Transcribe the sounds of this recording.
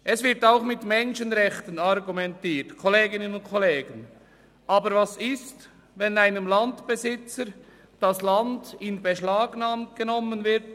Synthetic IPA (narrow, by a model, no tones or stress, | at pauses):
ʔɛsvɪɐtaʊxmɪtmɛnʃənʁɛxtənɑɾɡumɛntiːtkʰɔleːɡɪnənʊntkʰɔleːɡən | ʔɑːbəɾvɑsɪst | vɛnaɪnəmlɑntb̥ezɪt͡sə | d̥ɑslɑndɪnbəʃlaːɡnaːmt̚ɡ̥ənɔmənvɪɾt̚